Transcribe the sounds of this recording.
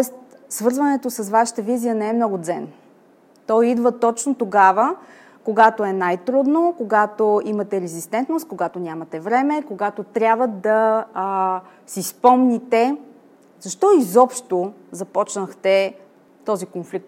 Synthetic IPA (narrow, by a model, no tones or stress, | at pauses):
t̪ɔɛst̪ | svɤɾzvɐnɛt̪osɐsvaʃə̥t̪əvizijənɛɛmnɔɡʊd̪zɛn | t̪ɔjid̪vət̪ɔt͡ʃnot̪oɡavə | koɡat̪oɛnajt̪ɾud̪nokoɡat̪oimɐt̪ɛɾɛzist̪ɛnt̪nost̪̚koɡat̪onʲamɐt̪ɛvɾɛmɛkoɡat̪ot̪ɾʲjabvəd̪ɐ | sispɔmnit̪ɛ | zɐʃt̪ɔizɔpʃt̪ozɐpɔt͡ʃnəxt̪ɛ | t̪ɔzikonflik̚t̪